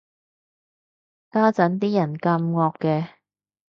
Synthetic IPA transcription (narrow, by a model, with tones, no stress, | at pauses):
kaː˥t͡sɐ˨˥nt̪iː˥jɐ˨˩nkɐ˧mŋɔː˧kːɛː˧